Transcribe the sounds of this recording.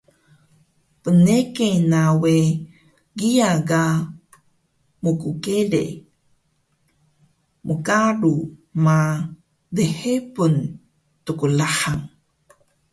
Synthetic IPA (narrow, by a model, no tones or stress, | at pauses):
pənekenawe | ɡiaɡa | mukukelḛ | mukaɾuma | dehepun | tukulaħaŋ